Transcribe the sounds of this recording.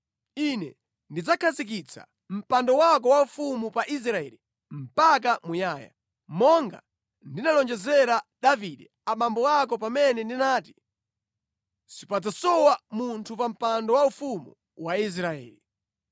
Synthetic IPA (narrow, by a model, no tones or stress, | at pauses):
inɛ̰ | ndid͡zakʰazik̬it͡sʰa̰ | m̩pandɔwak̬ɔwaufumupaʔis̬ɾaɛ̰ːli | m̩pak̬amujaːja̰ | mɔŋɡa̰ | ndinalɔnd͡ʒɛzɛɾaɗaviɗɛ | aɓambɔak̬ɔpamɛnɛndinaːti̥ | sipad͡zasɔwamuntʰupam̩pandɔwaufumṵ | wais̬ɾaɛ̰ːli